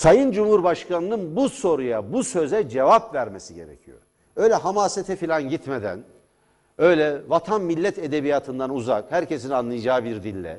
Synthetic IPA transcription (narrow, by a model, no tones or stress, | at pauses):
sajɯnd͡ʒumhuɾbaʃkanɯnɯnbuso̞ɾujabusø̞zɛd͡ʒe̞vapvæɾmesiɟe̞̰ɾḛcʰijo̰ɾ | ø̞jlʲɛɦamaːset̪ʰɛfilʲanɟit̪med̪æ̰n | ø̞jlʲɛvat̪ʰanmilʲːɛt̪ʰed̪e̞bijaːt̪ʰɯnd̪anuza̰khæɾce̞sinanlˠɯjd͡ʒaːbiɾd̪ilʲːɛ̰